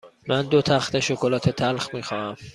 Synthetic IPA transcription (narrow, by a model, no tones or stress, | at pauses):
mænd̪ot̪ʰæxt̪eʃokʰolɒːt̪ʰet̪ʰælxmiːxɒːæm